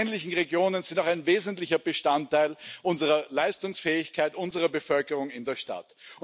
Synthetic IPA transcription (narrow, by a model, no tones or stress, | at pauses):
ɛnlɪçn̩ʁeɡjoːnənzɪndaʊxaɪnveːzəntlɪçɐbəʃtantʰːaɪlʔʊnzəʁɐlaɪstʊŋsfɛːɪçkʰaɪtʔʊnzəʁɐbəfœlkəʁʊŋɪndeːɐʃta̰tʊ